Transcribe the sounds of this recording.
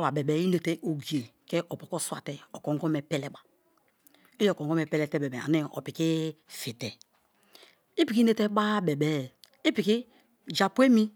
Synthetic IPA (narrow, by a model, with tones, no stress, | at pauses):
wa˨be˨bɛ˨˦i˦ne˨te˦ʔo˨ɡi˨e˨ke˦ʔo˨po˨ko˦swa̰˨te˦o˨ko˨ŋɡɔ˦me˨pɛ˦lɛ˦ɓa˨ | i˦˨ko˨ŋɡo˦mɛ˨pɛ˦lɛ˨tɛ˦˨be˨be˨a̰˨ni˦ɔ̰˨pi˨ki˦fi˨tɛ˨ | i˦pi˨ki˦ne˦te˦ɓa˦be˨bɛ˨˦˨i˦pi˨ki˦ | d͡ʒa˨pe˦mi˦